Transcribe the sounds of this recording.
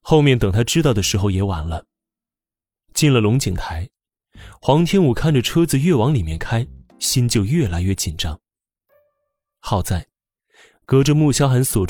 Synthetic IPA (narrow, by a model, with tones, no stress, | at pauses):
xo˥˧ʊmjɛ˥˩nt̪ɤ˨˩ŋt̪ʰa˥ʈ͡ʂɻ̩˥t̪ɑ˥˩ʊd̪ə˩ʂɻ̩˧˥xo˥˧ʊjɛ˧˥wa˧˥nlə˧ | t͡ɕi˥˩nlə˩lʊ˧˥ŋt͡ɕi˨˩ŋt̪ʰa˧˥ɪ | xwɑ˧˥ŋt̪ʰjɛ˥nu˨˩kʰa˥˩nʈ͡ʂə˨˩ʈ͡ʂʰɤ˥d͡zɹ̩˨ɥɛ˥˩wɑ˧˥ŋli˨˩mjɛ˥˩nkʰa˥ɪɕi˥nt͡ɕjo˥˧ʊɥɛ˥˩la˧˥ɪɥɛ˥˩t͡ɕi˨˩nʈ͡ʂɑ˥ŋ | xɑ˥˩ʊt͡sa˥˩ɪ | kɤ˧˥ʈ͡ʂə˧mu˥˩ɕjɑ˥ʊxa˧˥nswɔ˨˩